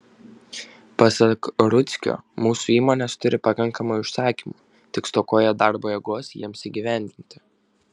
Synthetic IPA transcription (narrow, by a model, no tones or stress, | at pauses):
pɐsɐkɾʊt̪sʲkʲo̰ːmuːsuːiːmoːnʲɛst̪ʊɾʲɪpɐkɐŋkɐmʊɪʃsɑːkʲiːmu | t̪ʲɪkst̪oːkoːjɛd̪ɑˑɾboːjɛɡoɔsjiɛmsiɡʲiʋʲæˑnʲd̪ʲɪnʲt̪ʲɪ̥